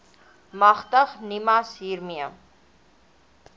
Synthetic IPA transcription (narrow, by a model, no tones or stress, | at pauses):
mɐχt̪ɐχnimasiːɾmia